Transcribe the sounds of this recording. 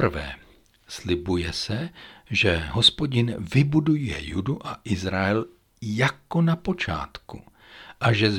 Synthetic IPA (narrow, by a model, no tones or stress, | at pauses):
vɛ̰ː | slɪbujɛsɛʒɛɦospoɟɪnvɪbudujɛ̰jṵduʔaʔɪzɾaɛl | jakonapo̞t͡ʃa̰ːt̪kṵ | ʔaʒɛz